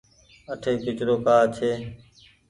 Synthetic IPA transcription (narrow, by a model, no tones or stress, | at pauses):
əʈʰeːkɪt͡ʃɾoːkaːt͡ʃʰeː